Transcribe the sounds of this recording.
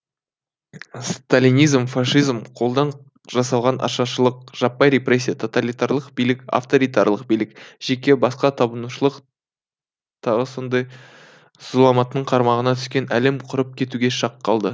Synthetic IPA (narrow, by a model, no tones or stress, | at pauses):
st̪alʲinijzmfɑʂijzmqʰo̞lˠd̪ɑɴ | ʒɑsɑlˠʁɑnʔɑ̰ʃɑʃəlˠəq̚ʒ̥ɑpːɑjɾe̞pre̞s̬ʲːijat̪ʰo̞t̪alʲijt̪aɾlˠəqbijlɪka̰ft̪o̞ɾijt̪ɑɾlˠəqbijlɪkʒ̥e̞kʲe̞bɑsqɑt̪ʰɑbənuʃəlˠəq | t̪ʰɑʁəso̞nd̪ɑj | z̥ʊlˠɑmɑt̪ːəɴqʰɑɾmɑʁənɑt̪ʰʏ̥skʲe̞næle̞mqʰʊɾəp̚kʲʰe̞t̪uɡʲe̞ʃɑqʰːɑlˠd̪ə